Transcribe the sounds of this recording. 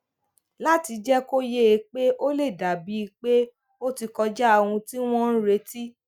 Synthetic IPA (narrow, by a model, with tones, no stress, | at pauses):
la˦ti˧d͡ʒɛ˦ko˦je˦˨˧k͡pe˦ʔo˦le˦˨da˨bi˨˦i˧k͡pe˦ | o˦ti˧kɔ˧d͡ʒɛ˦a˧wũ˧ti˦w̃ɔ̃˦n̩˦ɾe˧˦ti˦